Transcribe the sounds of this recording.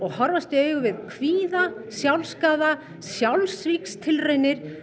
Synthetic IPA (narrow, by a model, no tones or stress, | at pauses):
ɔɣhɔɾvast̪ʏœːɥɣʏvɪðkʰviːðasjawlskaːða | sjawlsvikst̪ʰɪlrejnɪɾ̥